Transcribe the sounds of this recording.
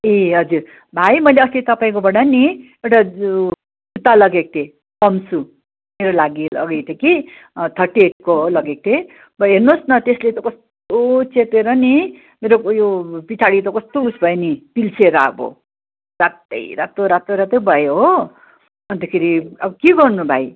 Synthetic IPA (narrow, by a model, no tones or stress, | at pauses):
eɦʌd͡zuɾ | bʱajmʌjleʌslet̪ʌpaĩk̬obʌɽ̃ʌni | ewʈa | but̪alʌɡek̚t̪ʰe | pʌmsu | meɾolaɡilʌ̰ɡʌjt̪ʰeki | t̪ʰʌʈeʈ̚kolʌɡek̚t̪ʰe | bʌɦernosnʌt̪eslet̪ʌkʌst̪ot͡set̪eɾʌni | meɾojopit͡sʰaɽit̪ʌkʌst̪osbʱʌjenipilt͡sʰeɾʌa̰bo̰ | sat̪ʌ̰jɾat̪oɾat̪oɾat̪ʌjbʱʌjoɦo | ʌnt̪ʌkʰeɾiʌbʌkiɡʌrnubʱaj